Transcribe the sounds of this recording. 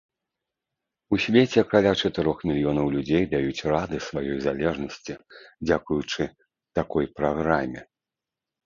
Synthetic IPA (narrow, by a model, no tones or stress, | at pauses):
usʲvʲet͡sʲɛkɾalʲat͡ʂɐt̪ɛɾɔxmʲilʲijɔnɐwlʲud͡zʲejd̪ajut͡sʲrad̪ɨsvajɔjzalʲɛʐnɐsʲt͡sʲid͡zʲakujut͡ʂɨ | t̪akɔjpɾaɣɾamʲɛ